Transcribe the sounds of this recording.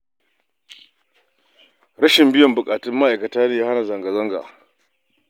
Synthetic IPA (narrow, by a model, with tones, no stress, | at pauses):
ɽɐ˦ʃɪ˨mbɪ˦jɔ˨mbʊ˨kʼaː˨tɪ˦mːa˦ʔa˨jkɐ˨taː˦neː˨ja˦ha˦na˨zɐ˨ŋɡa˨zɐ˦ŋɡa̰˨ʔ